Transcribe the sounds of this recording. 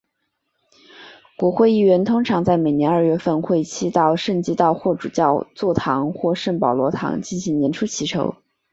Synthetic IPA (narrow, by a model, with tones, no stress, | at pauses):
kwɔ˧˥xwe˥˧ɪi˥˩ɥɛ˧˥nt̪ʰʊ˥ŋʈ͡ʂʰɑ˧˥ŋt͡sa˥˩ɪme˨˩ɪnjɛ˧˥nə˞˥˧ɥɛ˥˧fə˥˧nxwe˥˧ɪt͡ɕʰi˥t̪ɑ˥˧ʊʂə˥˩nt͡ɕi˥t̪ɑ˥˧ʊxwɔ˥˩ʈ͡ʂu˨˩t͡ɕjɑ˥˧ʊt͡swɔ˥˩t̪ʰɑ˧˥ŋxwɔ˥˧ʂə˥˩ŋpɑ˨˩ʊlwɔ˧˥t̪ʰɑ̰˧˥ŋt͡ɕi˥˩nɕi˧˥ŋnjɛ˧˥nʈ͡ʂʰu˥t͡ɕʰi˧˥ʈ͡ʂʰo˧˥ʊ